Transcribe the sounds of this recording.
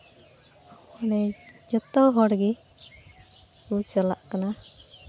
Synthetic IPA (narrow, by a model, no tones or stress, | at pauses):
ɔnɛd͡ʒɔt̪ɔɦɔɽɡi | ut͡ʃala̰ʔkana